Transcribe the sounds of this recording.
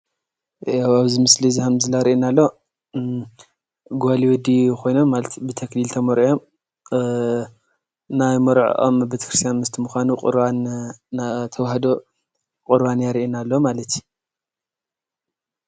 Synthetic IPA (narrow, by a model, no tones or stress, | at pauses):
awaβzimɨslizihɐmzɨlaɾiʔinalːo̞ | ɡoaliwɔd̪ixo̞jno̞mːalɐt̪bɨt̪ʰɐklilt̪ʰɐmɐɾjo̞m | najmɐɾʕʔo̰mbet̪ʰɐ̥kɾɨst̪ʰjanmɨst̪ʰɨmuxʷanuqʼɨ̰ɾβanː | t̪ʰɐwhd̪o | kʼɨɾwanjaɾiʔinalːomalɐt̪ʰi